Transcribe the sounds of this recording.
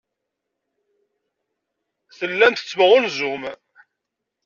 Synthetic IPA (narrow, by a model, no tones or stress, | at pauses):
θəlːænt̪ə̥t͡sːmʁʊnzum